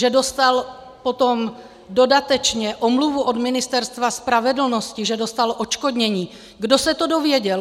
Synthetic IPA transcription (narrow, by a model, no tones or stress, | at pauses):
ʒɛdo̞st̪al | po̞t̪o̞m | do̞dat̪ɛt͡ʃɲɛʔomluvuʔod̪mɪnɪst̪ɛɾst̪vaspɾavɛdl̩no̞scɪʒɛdo̞st̪alʔot͡ʃkodɲɛɲiː | ɡdo̞sɛt̪odovjɛɟɛl